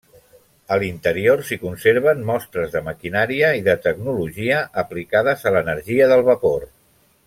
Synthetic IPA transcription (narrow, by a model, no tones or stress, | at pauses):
əlint̪əɾiorsikunseɾβənmɔst̪ɾəzðəməkinaɾiəiðət̪əɡnuluʒiəʔəplikaðəzələnəɾʒiəðəlˠβəpor